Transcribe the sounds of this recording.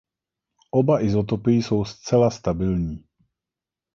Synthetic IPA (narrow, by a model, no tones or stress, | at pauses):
ʔobaʔɪzot̪̬opɪjɪso̞wst͡sɛlast̪abɪlɲiː